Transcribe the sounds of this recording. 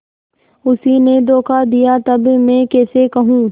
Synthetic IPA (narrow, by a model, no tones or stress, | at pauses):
ʊsined̪oːkʰad̪ijat̪ɐbmɛ̃ːkɛːsekɐɦũː